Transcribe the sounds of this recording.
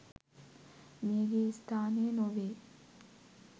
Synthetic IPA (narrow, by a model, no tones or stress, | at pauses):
meːɡeːst̪ʰaːnenoʋeː